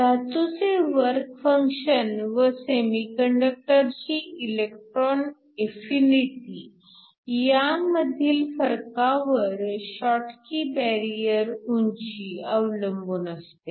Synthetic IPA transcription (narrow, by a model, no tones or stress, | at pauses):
d̪at̪ut͡seʋəɾkfəŋkɕənʋəsemikəɳɖək̚ʈəɾt͡ɕiːilekʈɾɔn | efiniʈi | jaməd̪ʱiːlfəɾkaʋəɾɕɔʈkibɛɾijəɾuɲt͡ɕiəʋləmbuːnəst̪e